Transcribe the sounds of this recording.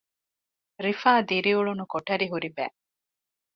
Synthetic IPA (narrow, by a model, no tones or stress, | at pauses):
ɾifaːd̪iɾiuɭunukoʈɐɾiɦuɾibæ̰ː